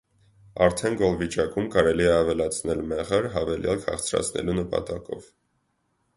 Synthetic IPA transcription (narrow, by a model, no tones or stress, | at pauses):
ɑɾt̪ʰɛnɡɔlvit͡ʃɑkumkɑɾɛliɛɑvɛlɑt͡sʰnɛlmɛʁəɾɦɑvɛljɑlkhɑ̰χt͡sʰɾɑ̰t͡sʰnɛ̰lunəpɑ̰t̪ɑkɔv